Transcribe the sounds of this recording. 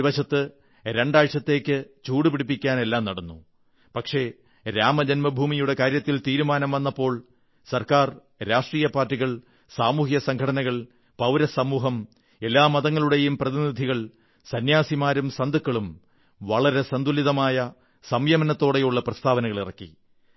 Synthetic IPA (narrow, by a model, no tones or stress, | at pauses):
ʋɐɕɐt̪ːɨ | ɾe̞ɳɖaːɻt͡ɕːɐt̪ːe̞ːkʲːɨt͡ɕuːɽupiɽip̬ːikʲːaːne̞lːaːmnɐɽɐnːu | pɐkʂe̞ | ɾaːmɐd͡ʑɐnmɐbʱuːmijuɽe̞kaːɾjɐt̪ːilt̪iːɾumaːnɐmʋɐnːɐpːo̞ːɭ | sɐrkaːr | ɾaːʂʈriːjɐpaːrtːiɣɐɭ | saːmuːhijɐsɐŋɡʰʱɐɽɐnɐɣɐɭ | pɐwɾɐsɐmuːɦɐm | e̞lːaːmɐðɐŋːɐɭuɽe̞jumprɐðinid̪ʱiɣɐɭ | sɐnjaːsimaːɾumsɐnd̪ʱukːɐɭum | ʋɐɭɐɾe̞sɐnd̪uliðɐmaːjɐ | sɐmjɐmɐnɐt̪ːo̞ːɽejuɭːɐprɐst̪ʰaːʋɐnɐɣɐɭirɐkːḭ